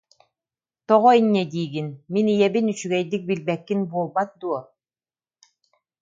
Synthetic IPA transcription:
t̪ɔʁɔiɲːɛd̪iːɡinminijɛbinyt͡ɕyɡɛjd̪ik̚bilbɛkːinbuɔlˠbat̪̚d̪uɔ

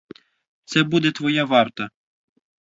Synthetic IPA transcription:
t̪sɛbud̪ɛt̪ʋɔjaʋɑrt̪ɐ

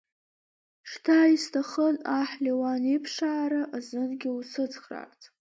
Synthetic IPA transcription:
ʂtʰaistʰaχənaħliwanipʰʂaːɾaʔazɨnɡʲɪusɨd͡zχra̰rtʰ

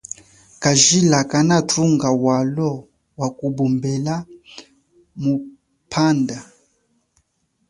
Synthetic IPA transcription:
kaʒilakanatʰuŋɡawalɔ | wakubumbɛla | mu | pʰanda

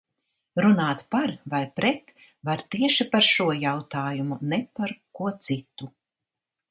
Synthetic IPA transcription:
ɾunaːt̪paɾvajpɾʔɛt̪ | vaɾt̪iɛʃipaɾʃuɔjawt̪aːjumunɛpaɾkuɔt̪sit̪u

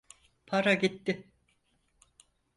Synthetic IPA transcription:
pʰaɾaɟit̪ːɪ

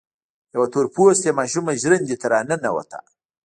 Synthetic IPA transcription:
jawat̪oɾpusemɑʃumaʒɾənd̪it̪aɾɑːnənawa̰t̪a̰

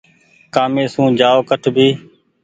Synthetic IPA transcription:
kaːmẽːsũːd͡ʒaːoːkəʈʰbʱiː

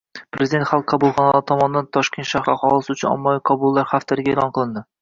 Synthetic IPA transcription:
pʰɾezɪd̪e̞nt̪χalˠqʰːɑbulˠχɒnalaɾɪt̪ʰɒmɒnɪd̪ant̪ʰɒʃkʲe̞nt̪ʃahɾaχɒlˠɪsɪʊt͡ʃʰʊnɒ̰mːɒlɪqʰɒbʊlˠːaɾχaft̪ʰɪɾɪɡʲaelˠɒnqʰɨlˠɪnd̪ɪ

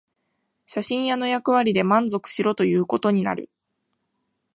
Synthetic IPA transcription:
ɕaɕĩɰ̃jano̞jakɯ̟β̞aɾʲid̪e̞mãnd͡zo̞kɯ̟̥ɕiɾo̞t̪o̞jɯ̟ːko̞t̪o̞ɲ̟ina̰ɾɯ̟̰

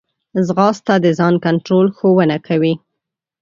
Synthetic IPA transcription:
zɣɑst̪ad̪əzɑnkaɳʈɾolxowənakʰawi

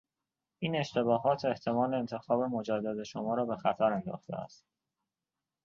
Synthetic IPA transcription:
ʔiːne̞ʃt̪ʰe̞bɒːɦɒːt̪ʰe̞ht̪ʰe̞mɒːleːnt̪ʰe̞xɒːbe̞mo̞d͡ʒæd̪ːæd̪e̞ʃomɒːɾɒːbe̞xæt̪ʰæɾend̪ɒ̰ːxt̪ʰḛæ̰st̪

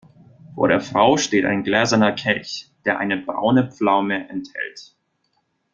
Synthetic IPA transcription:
foːɐɾeːɐfʁ̥aʊʃteːtʔa̰ɪnɡlɛːzɐnɐkʰɛlçd̥eːɐʔa̰ɪnəbʁa̰ʊnəp͡flaʊməʔɛnthɛ̰lt

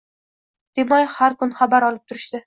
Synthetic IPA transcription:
d̪̥emɒjhaɾkʊnχabaɾɒlˠɪp̚t̪ʰʊɾɪʃt̪ɪ

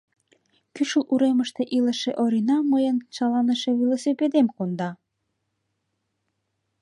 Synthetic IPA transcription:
kyʃəlʔuɾeməʃt̪eʔilə̆ʃeʔoɾinɑmɤjənt͡ɕɑlɑnə̆ʃĕβilosiped̪emkond̪ɑ

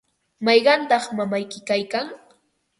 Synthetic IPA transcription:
mɑjɢɑnt̪ɑχmamajkɪkajkaŋ

